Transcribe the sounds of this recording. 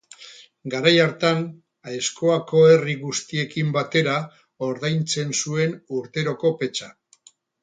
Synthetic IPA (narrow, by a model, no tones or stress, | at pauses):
ɡaɾajaɾt̪an | aesko̞ako̞e̞riɣust̪ie̞kimbat̪e̞ɾa | o̞ɾðajnt͡se̞nsue̞nuɾt̪e̞ɾo̞ko̞pe̞t͡ʃa